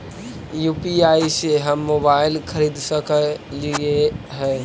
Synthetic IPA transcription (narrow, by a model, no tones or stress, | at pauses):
juːpiaːiseɦɐmːoːbaːɪlkʰɐɾiːd̪səkəlieɦɛ̃ː